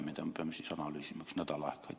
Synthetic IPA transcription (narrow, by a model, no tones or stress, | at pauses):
mːeˑt̪æt̪æmːøsisɑnɑlːˑisimːæksnæt̪ælɑ̰ˑehkːˑɑˑit̪